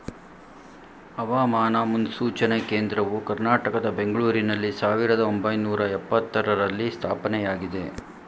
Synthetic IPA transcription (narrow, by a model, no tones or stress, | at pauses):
ɐʋaːmaːnɐmund̪suːt͡ʃɐneke̞ːnd̪ɾɐʋukɐɾnaːʈɐkɐd̪ɐbe̞ŋɡɐɭuːɾinɐlːisaːʋiɾɐd̪ɐombɐjnuːɾɐɛpːɐt̪ːɐɾɐɾɐlːist̪ʰaːpɐnɛjaːɡid̪e̞